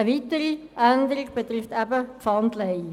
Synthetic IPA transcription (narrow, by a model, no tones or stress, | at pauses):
əʋitəɾiʔænd̪əɾiɡ̚b̥et̪rɪft̪æbəpfɑndlɛɪ